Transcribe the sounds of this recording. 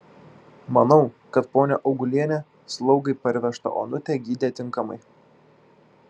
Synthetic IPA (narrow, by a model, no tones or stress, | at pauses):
mɐnɒʊkɐt̪̚poːnʲɛʔɒʊɡʊlʲiɛnʲɛ | slˠɒʊɡɐɪpɐɾʲʋʲɛʃt̪ɐ̰ʔo̰ːnʊt̪ʲɛɡʲiːd̪ʲet̪ʲɪŋkɐmɐ̰ɪ